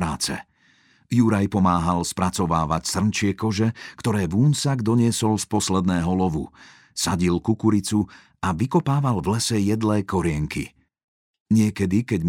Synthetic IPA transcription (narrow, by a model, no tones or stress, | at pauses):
ɾaːt͡sɛ̰ | juɾajpɔmaːɦalspɾat͡sɔʋaːʋacsr̩nt͡ʃɪɛkɔʒɛkt̪ɔɾɛːvuːnsaɡd̪ɔɲɪɛsɔlspɔslɛd̪nɛːɦɔlɔʋṵ | saɟilkukuɾit͡su | aʋikɔpaːʋalvlɛsɛjɛd̪lɛːkɔɾɪɛŋkḭ | ɲɪɛkɛd̪ikɛɟ